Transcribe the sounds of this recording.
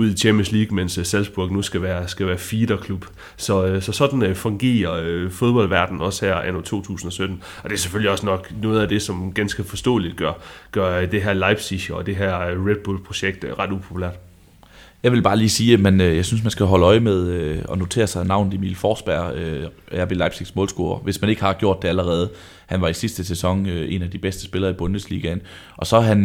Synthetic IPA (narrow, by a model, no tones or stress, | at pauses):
uð̞̰ˠit͡ɕʰemənsliːɡ̥menssælsb̥uɐɡ̥nusɡ̥æʋæːɐsɡ̥æʋæːɐfiːd̥ɐkʰlub̥ | sɒ̽sɒ̽sɒ̽d̥n̩fɔ̽ŋɡ̥e̝̰ːɐøfo̝ð̞ˠb̥ɒ̽l̰ʋæɐd̥n̩ɒ̽shæɐ̰ænot͡sʰo̝̰ːt͡sʰṵːsn̩ɒ̽sød̥n̩ | ɒ̽d̥e̝ɐseføl̰iɒ̽snɒ̽ɡ̥nɔ̽ːð̩ˠæd̥e̝sɒ̽mɡ̥ænsɡ̥əfɒ̽sd̥ɔ̰̽ːlid̥̚ɡ̥ɶɐɡ̥ɶɐd̥e̝ɦæɐlɑ̈ɪb̥siɕoɒ̽d̥e̝ɦæɐ̰ʁed̥̚b̥ulpʰʁo̝ɕeɡ̥̚d̥ʁɑ̈d̥upʰo̝pʰulæ̰ɐ̰d̥ | jɑ̈ɪʋe̝lb̥ɑ̈ːliːsiːmenøjɑ̈ɪsynsmænsɡ̥æɦɒ̽ləɒ̽ɪmeð̞ˠøɒ̽no̝t͡sʰe̝̰ːɐsɑ̈ɪnɑ̈ʊ̰nð̩ˠimḭːlfɒːsb̥æɐ̰øæɐb̥elɑ̈ɪb̥siɡ̥smɔ̽ːlsɡ̥o̝ːɐʋe̝smæne̝ɡ̥hɑ̈ɡ̥jo̝ɐ̰d̥ːe̝æləʁɛːð̞̩ˠ | hænʋɑ̈isisd̥əsesɒ̽ŋøʔe̝næd̥ib̥esd̥ə̥sb̥e̝lɐːib̥ɔ̽nd̥əslḭːɡ̥æn | ʔɒ̽sɒ̽ɦæn